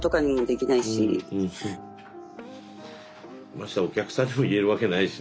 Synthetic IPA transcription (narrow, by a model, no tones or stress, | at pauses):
t̪o̞kaɲ̟imo̞d̪e̞kʲinaiɕḭ̃ | maɕi̥t̪ao̞kʲakɯ̥sãɲ̟ːimo̞ie̞ɾɯ̟βake̞naiɕi